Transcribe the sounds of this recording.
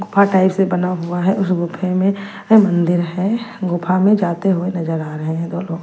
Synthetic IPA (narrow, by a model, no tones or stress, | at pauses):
ɡʊpʰaʈaːɪpsebɐnaɦʊaɦɛʔʊsɡʊpʰemẽ | mɐ̃nd̪ɪɾɦɛɡʊpʰamẽd͡ʒaːt̪eɦʊenɐzəɾaːɾɐɦẽɦɛ̃d̪oːloːɡ